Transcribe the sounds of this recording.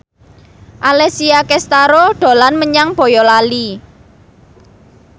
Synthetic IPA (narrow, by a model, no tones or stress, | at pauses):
ʔalɛsiakɛst̪aɾoɖ̪̥o̤lanməɲaŋb̥o̤jɔlali